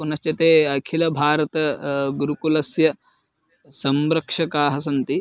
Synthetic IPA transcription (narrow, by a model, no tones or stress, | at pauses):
punɐst͡ʃɐt̪eːkʰilɐbʱaːɾɐt̪ɐɡuɾukulɐsjɐ | sɐmɾɐkʂɐkaːɦɐs̬ɐnt̪i